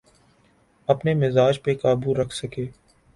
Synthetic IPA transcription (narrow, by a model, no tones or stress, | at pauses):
ɐpnemɪzaːd͡ʒpekaːbuɾɐkʰsɐkeː